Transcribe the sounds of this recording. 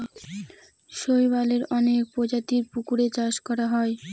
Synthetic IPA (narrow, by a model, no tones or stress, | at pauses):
ʃojbaleɾɔnekpod͡ʑat̪iɾpukuɾet͡ɕaʃkɔɾaɦɔe